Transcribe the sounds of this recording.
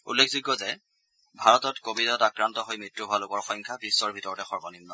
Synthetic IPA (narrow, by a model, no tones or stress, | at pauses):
ṵlːekʰzuɡːɔzɛ | bʱaɹɔtɔtkobitɔtakɹantɔɦojmɹitːuɦoalʊkɔɹxɔŋkʰabisːɔɹbʱitɔɹɔtɛxɔɹbɔnimnɔ